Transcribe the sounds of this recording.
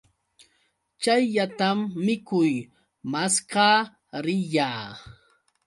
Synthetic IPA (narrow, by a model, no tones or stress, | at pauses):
t͡ʃajʎat̪amːɪkʊj | maskɑː | ɾɪʎaː